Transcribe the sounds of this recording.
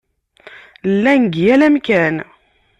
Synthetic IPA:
lːænɡjælæmkæn

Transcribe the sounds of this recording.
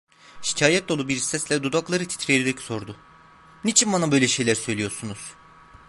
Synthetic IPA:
ʃi̥cʰaːjɛt̪̚d̪o̞lˠubiɾsɛslʲɛd̪ud̪aklˠaɾɯt̪ʰi̥t̪ʰɾieɾid̪ɛcso̞ɾd̪ʊ | nit͡ʃʰinbanabø̞jlʲɛʃe̞jlʲæɾsø̞jlʲijo̞ɾsunuz̥

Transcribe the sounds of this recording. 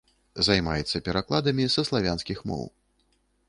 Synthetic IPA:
zajmajɛt̪sːɐpʲɛɾaklˠad̪ɐmʲisɐslˠavʲansʲkʲixmɔ̰w

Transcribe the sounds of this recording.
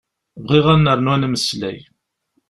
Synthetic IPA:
vʁiʁænːəɾˤnwænməslæ̰j

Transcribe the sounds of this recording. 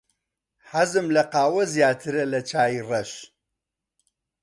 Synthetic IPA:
hɐzɨmlɐqaːwɐzjaːt̪ʰɨɾɐlɐt͡ʃʰaːjirɐʃ

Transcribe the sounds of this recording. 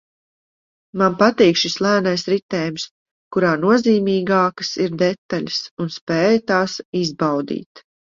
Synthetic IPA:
manpat̪iːkʃislˠæːnajsɾit̪ɛːjms | kuɾaːnuɔziːmiːɡaːkə̥siɾd̪ɛt̪ːaʎʲsunspɛːjt̪aːsizbawd̪ḭːt̪

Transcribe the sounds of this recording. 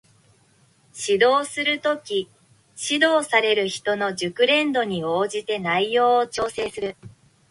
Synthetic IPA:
ɕid̪o̞ːsɨɾɯ̟t̪o̞kʲi | ɕid̪o̞ːsaɾe̞ɾɯ̟çi̥t̪o̞no̞ʑɨkɯ̟ɾẽ̞nd̪o̞ɲ̟io̞ːʑit̪e̞naijo̞ːt͡ɕo̞ːse̞ːsɨɾɯ̟

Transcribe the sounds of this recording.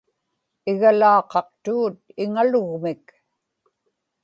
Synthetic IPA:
ɪɣalɑːqɑq̚t̪uːt̪̚ɪŋalʊɣmɪk

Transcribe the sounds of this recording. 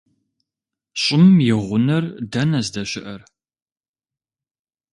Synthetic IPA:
ɕʼɪmjɪʁʷʊnɐrdɐnɐzdɐɕɪʔɐr

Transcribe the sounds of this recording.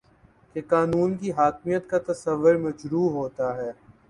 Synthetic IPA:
kekaːnuːnkiɦaːkmijət̪kat̪ɐsəʋːʊɾmɐd͡ʒɾuːɦoːt̪aɦɛː

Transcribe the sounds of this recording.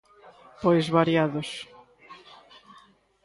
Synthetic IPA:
pojzβaɾjaðʊs

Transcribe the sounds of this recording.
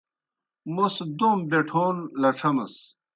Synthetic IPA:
mosd̪ombeʈʰoːnlɐʈ͡ʂʰɐmɐs

